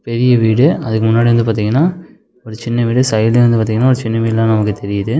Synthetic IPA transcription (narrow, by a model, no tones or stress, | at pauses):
pɛɾɪjɐʋiːɽɯɐðɯkːɯmʊnːaːɽiʋɐnd̪ɯp̬aːɾt̪̬iːŋɡɐnːaː | ɔɾɯt͡ʃɪnːɐʋiːɽɯsɐjɐlʋɐnd̪ɯpaːt̪iːŋɡɐnːaːɔɾɯt͡ʃɪnːɐʋiːɽlãːnɐmɐkːɯt̪ɛɾɪjɐðɯ